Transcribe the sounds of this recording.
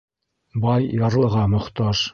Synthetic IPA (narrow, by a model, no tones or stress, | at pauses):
bɑjːɑɾlˠɤ̆ʁɑmŏχt̪ɑʃ